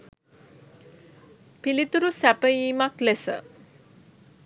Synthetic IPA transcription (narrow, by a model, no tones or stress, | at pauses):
pilit̪uɾusæpəjiːmaklesə̰